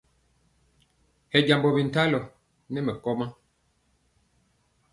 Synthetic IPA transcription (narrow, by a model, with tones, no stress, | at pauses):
hɛ˨ɟa˨mbɔ˨bi˨n̩˨ta˦lɔ˨ | nɛ˦mɛ˨kɔ˦ma˦